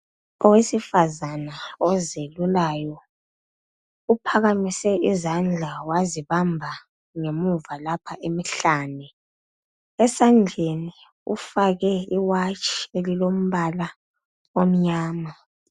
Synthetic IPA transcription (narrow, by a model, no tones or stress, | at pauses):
ɔwesifazanaɔzelulaːjɔ | upʰaɣamisɛizand͡ɮʱawaziβambʱa | ŋemuvalapʰaʔemiɬaːnɛ | ɛsand͡ɮʱeni | ṵfaɣɛiwat͡ʃʰʼi̥elilom̩βala | om̩ɲaːma